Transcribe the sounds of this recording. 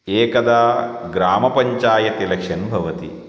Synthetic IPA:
eːkɐd̪aːɡɾaːmɐpɐɲt͡ʃaːjɐt̪ilɐkʂɐnbʱɐʋɐt̪ḭ

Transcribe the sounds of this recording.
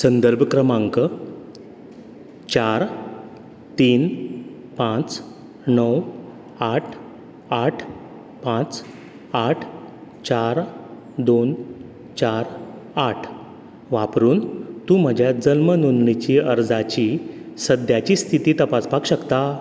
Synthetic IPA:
sənd̪əɾbʱkɾəmaŋkə | t͡ɕaɾ | t̪iːn | pãt͡s | nəw | aʈʰ | aʈʰ | pãt͡s | aʈʰ | t͡ɕaɾ | d̪on | t͡ɕaɾ | aʈʰ | ʋapɾuːnt̪ũːm̤əd͡ʑʱjad͡zənmənunlit͡ɕiːəɾd͡zat͡ɕisəd̪jat͡ɕiːst̪ʰit̪iːt̪əpaspakɕəkt̪a

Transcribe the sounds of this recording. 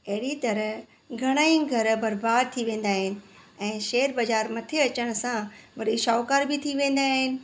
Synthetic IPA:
ɐɦɪɽit̪ɐɾə | ɡʱɐɽ̃aːĩɡʱɐɾbɐɾbaːd̪̚t̪ʰiʋẽːn̆d̪aːɦɪnɪ̆ɛ̃ːʃeːəɾbɐd͡ʑaːɾmɐt̪ʰeɐt͡ɕəɽ̃̆sãʋɐɾiʃɔːkaːɾbɪt̪ʰiʋẽːn̆d̪aːɦɪnɪ̆

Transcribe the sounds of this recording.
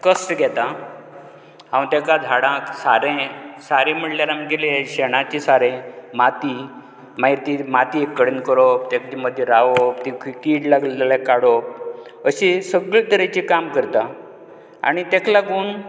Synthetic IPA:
kəsʈɡʱɛt̪a | ɦãwt̪ɛkad͡z̪ʱaɽãksaɾẽsaɾẽm̤əɽljalaməɡeleɕɛɽ̃at͡ɕisaɾẽmat̪i | maiɾt̪imat̪iekːəɽenkəɾop̚t̪ɛkt͡ɕiməd̪ʱːjeɾaʋopt̪ikʰikiːʈlaɡlealekaɽop̚əɕisəɡɭt̪əɾet͡ɕikamkəɾt̪a | a̰ɽ̃it̪ɛkʰlaɡuːn

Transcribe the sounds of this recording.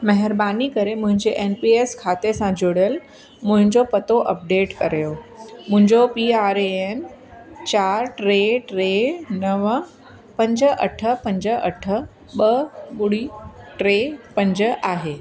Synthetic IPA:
mɐɦɪɾbaːnikɐɾemʊ̃ɦɪ̃ɲd͡ʑeʔeːnpieːskʰaːt̪esãd͡ʑʱoːɽjəl | mʊ̃ɦɪ̃ɲd͡ʑopɐt̪oʔɐp̚ɖeːʈkɐɾjomʊ̃ɦɪ̃ɲd͡ʑopiaːɾeen | t͡ɕaːɾʈɾeʈɾenɐʋ | pɐ̃ɲd͡ʑəʔɐ̰ʈʰəpɐ̃ɲd͡ʑəʔɐʈʰə | ɓəɓʊɽiʈɾeːpɐ̃ɲd͡ʑəʔaːɦeː

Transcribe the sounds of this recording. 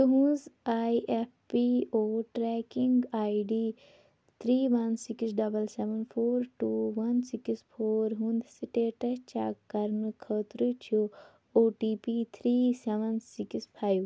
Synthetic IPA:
t̪uɦũːzaːjʔeppioːʈɾɛːkiŋɡaːiɖiː | t̪ʰɾiːʋɐnsiksɖɐbɐlseʋɐnpʰoːɾʈuːʋɐnsikispʰoːɾɦũnd̪siʈeːʈɐt͡ʃa̰ːkːɐɾnɨkʰəːt̪ɾɨt͡ʃʰu | oːʈiːpiːt̪ʰɾiːseʋɐnsikispʰaːjʋ

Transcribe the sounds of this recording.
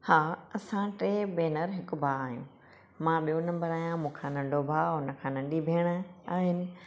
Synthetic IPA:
haːɐsãʈeːbeːnəɾɦɪkʊ̆bʱaːɦijṵ̃ː | mãːɓijõnɐ̃mbəɾaːijãmũːkʰãːnɐ̃ɳɖʱobʱaːʊnə̆kʰãːnɐ̃ɳɖibʱiːɽ̃aːɦɪnɪ̆

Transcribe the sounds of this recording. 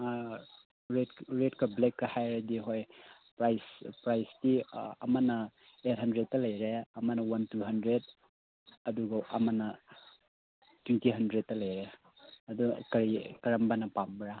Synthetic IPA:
ɾetɾetkɐblekːɐhajɾɐdiɦoj | pɾajspɾajstiɐ̰mɐnɐ | et̚hɐndɾet̚ːɐlɐjɾeɐmɐnɐwɐntuɦɐndɾed̚ | ɐduɡɐʔɐmɐnɐ | twentiɦɐndɾet̚ːɐlɐjɾe | ɐdukɐɾikɐɾɐmbanɐpamɾa

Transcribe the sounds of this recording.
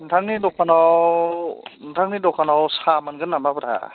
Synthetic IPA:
ntʰaŋnidɔkʰanɔ | ntʰaŋnidɔkʰanɔwsamanɡɯnːamabɯɾʰa̰

